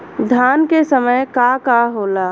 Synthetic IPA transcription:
d̪ʱjaːnkesəməjkakaɦolaː

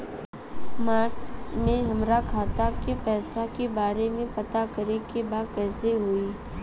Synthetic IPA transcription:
maːɾt͡ʃmẽɦɐmɾakʰaːt̪akepɛːsakebaːɾemẽpɐt̪akɐɾekebaːkɛːseɦuiː

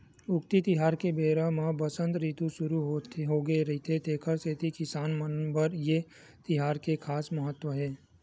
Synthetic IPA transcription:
ʊkt̪it̪ɪɦaːɾkebeːɾamãbəsə̃nt̪ɾiːt̪ũʃʊɾuɦoɦoːɡeɾɐɦit̪ʰet̪eːkʰəɾseːt̪ikɪsaːnmənbəɾje | t̪ɪɦaːɾkekʰaːsmɐɦət̪ːwəɦɛː

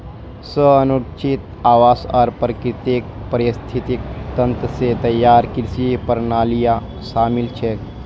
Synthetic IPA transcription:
səənut͡ʃʰit̪ | aːʋaːsɔ̰ːɾpɾəkɾɪt̪ek̚pəɾɪst̪ʰit̪ik̚t̪ə̃nt̪ɾəset̪ɐjːaːɾkɪɾsipəɾnaːlija | ʃaːmɪlt͡ʃʰe

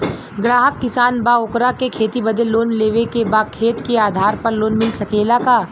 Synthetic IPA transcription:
ɡɾaːɦəkːɪsaːnbaːoːkɾakekʰeːt̪ibəd̪əllːoːnleːʋekebaːkʰeːt̪keaːd̪ʱaːɾpɐɾloːnmɪlsɐkeːlakaː

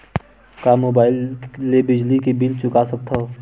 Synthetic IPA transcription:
kamoːbaːɪlːebɪd͡ʒlikebilt͡ʃʊkasək̚t̪ʰa

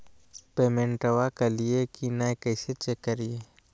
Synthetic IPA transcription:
peːmẽɳʈəwakelɪekinaekɐɪset͡ʃekːəɾie

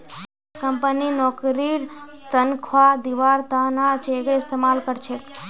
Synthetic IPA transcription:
kəmpəninɔkɾiɾt̪ənkʰʋad̪iʋaɾt̪anat͡ʃeɡest̪emalkəɾt͡ʃʰek

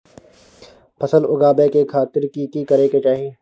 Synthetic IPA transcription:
pʰɐsəlʊɡaːbekekʰaːt̪ɪɾkikikɐɾẽket͡ʃaːɦiẽː

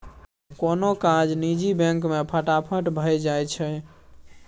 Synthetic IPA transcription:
konokãd͡ʒnid͡ʒibẽŋkmepʰəʈapʰəʈbʱəjd͡ʒajt͡ʃʰɛ

